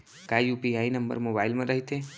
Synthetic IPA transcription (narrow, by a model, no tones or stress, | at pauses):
kajjupiainəmbə̰ɾmobailmẽɾəɦit̪e